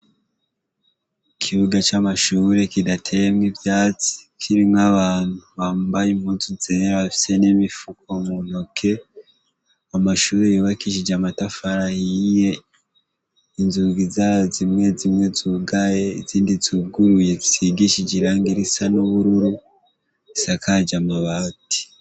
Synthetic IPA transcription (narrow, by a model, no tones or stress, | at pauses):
kʰiβuɡat͡ʃamaʃuːɾe̞kidatʰe̞jemŋivjaːt͡si̥kʰiɾimŋaβaːn̥huβaːmbajemhuːnsuzeɾaβafi̥se̞nimifuk̚omunokʰe̞ | amaʃuːɾejoβakiʃ̬id͡ʒamatafaɾahije̞ | inzuːɡizazimŋe̞zimŋe̞zuɡaje̞iziːndizuɡuɾuje̞zi̥siɡiʃid͡ʒiɾaːŋɡiɾisanoβuɾuɾu | isakʰad͡ʒamaβati̥